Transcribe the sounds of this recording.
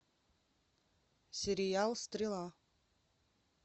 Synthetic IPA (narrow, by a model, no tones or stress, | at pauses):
sʲeɾʲijalˠst̪rʲilˠɑ